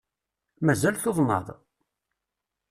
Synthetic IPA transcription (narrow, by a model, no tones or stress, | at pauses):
mæzælθoðˤnə̰ðˤ